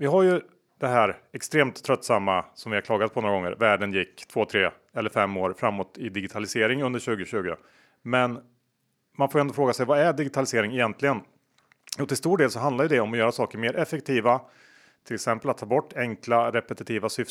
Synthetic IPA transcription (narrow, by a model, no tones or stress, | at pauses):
vɪɦaɾjɵ | d̪̥ɛɦæːɾɛkst̪ɾeːmt̪ʰːɾœt̪ːsamːasɔmvɪhaɾkʰlɑːɡad̪pʰɔnoːɾaɡɔŋːə̰ɾvæːɖənjɪkːt̪ʰvoːt̪ʰɾeː | ɛlːəɾfɛmːoːɾfɾamːot̪ɪd̪ɪɡɪt̪ʰalɪseːɾɪŋɵnd̪əɾɕʉ̟ːɡʊɕʉ̟ːɡʊ̰ | mɛn | manfoːjɛnɔfɾoːɡasɛjvaɛɖɪɡɪt̪ʰalɪseːɾɪŋɛjɛnt̪ʰlɪɡən | juːt̪ʰɪlst̪uːɖeːlsɔɦand̪aɾjʏd̪ɛɔmɔjœːɾasɑːkəɾmeːɾʔɛfɛk̚t̪ʰiːva | t̪ʰɪlɛksɛmpəlat̪ʰːɑːbɔʈːɛŋklaɾɛpɛt̪ɪt̪ʰiːvasʏf